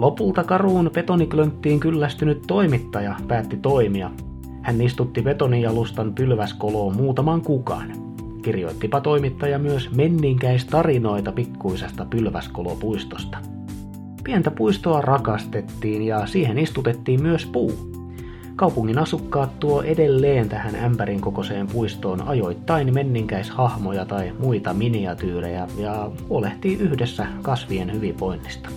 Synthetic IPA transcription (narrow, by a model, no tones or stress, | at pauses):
lo̞pult̪ɑkɑruːnpe̞t̪oniklønt̪ːiːŋkylːæst̪ynyt̪to̞imit̪ːɑjɑpæːt̪ːit̪o̞imiɑ | hænːist̪ut̪ːipe̞t̪onijɑlust̪ɑnpylʋæskoloːmuːt̪ɑmɑŋkukɑ̰n | kirjo̞̰it̪ːipɑt̪o̞imit̪ːɑjɑmyøsmenːiŋkæist̪ɑrino̞it̪ɑpikːuisest̪ɑpylʋæ̰skolo̰puist̪ost̪ɑ̥ | piænt̪æpuist̪oɑrɑkɑst̪et̪ːiːnjɑsiːhenist̪ut̪et̪ːiːmmyøspuː | kɑupuŋːinɑsukːɑːt̪t̪uoʔedelːeːnt̪æhænæmpæɾiŋkoko̞seːmpuist̪o̞ːnɑ̰jo̞it̪ːɑinmenːiŋkæishɑhmojɑt̪ɑimuit̪ɑminiɑt̪yːrḛjæjɑhuoleht̪iːʔyhdesːækɑsʋienhyʋiʋʋoinːist̪ɑ̥